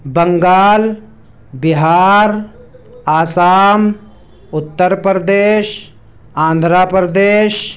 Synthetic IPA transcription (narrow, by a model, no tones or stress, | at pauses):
bɐŋɡaːl | bɪɦaːɾ | aːsaːm | ʊt̪ːəɾpɾd̪eːʃ | ãːnd̪ʱɾaːpɾəd̪eːʃ